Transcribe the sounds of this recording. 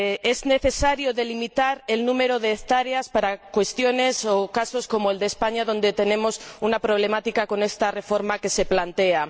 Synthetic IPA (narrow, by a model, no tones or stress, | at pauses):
ezne̞θe̞saɾjoðe̞limit̪aɾe̞lnũme̞ɾoðeːθt̪aɾeaspaɾakwe̞st̪jo̞ne̞sokaso̞sko̞moeld̪eːspaɲaðo̞nd̪et̪e̞ne̞mo̞sunapɾoβle̞mat̪ikako̞ne̞st̪are̞fo̞ɾmake̞se̞plant̪ea